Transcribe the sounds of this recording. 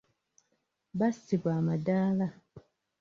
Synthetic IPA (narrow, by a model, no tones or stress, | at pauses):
basiβwaːmadaːla